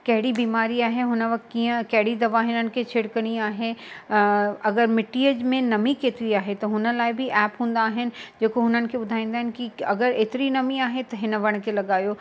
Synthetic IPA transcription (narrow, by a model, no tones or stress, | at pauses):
kɐɦɪɽibiːmaːɾiaːɦeɦʊnəʋɐk̚t̪kiːə̃kɐɦɪɽid̪ɐʋaɦɪnənɪ̆kʰet͡ɕʰɪɽkɐɽ̃iaːɦe | ɐɡəɾmɪʈiːəd͡ʑmẽnɐmikeːt̪ɪɾiaːɦet̪ɐɦʊnəlaːɪbʱɪʔɛːpɦũːn̆d̪aːɦɪnɪ̆d͡ʑeːkoɦʊnənɪ̆kʰebʊd̪ʱaːĩːnd̪aːɦɪnɪkiɐɡəɾeːt̪ɪɾinɐmiaːɦet̪ɐɦɪnə̆ʋɐɽ̃kʰelɐɡaːjoː